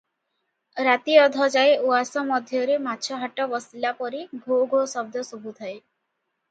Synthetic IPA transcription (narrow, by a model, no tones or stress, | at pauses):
ɾat̪iɔd̪ʱɔd͡ʒaeuasɔmɔd̪ʱjɔɾematːt͡ʃʰɔɦaʈɔbɔsilapɔɾibʱoɡʱosɔb̚d̪ʱɔsubʱut̪ʰae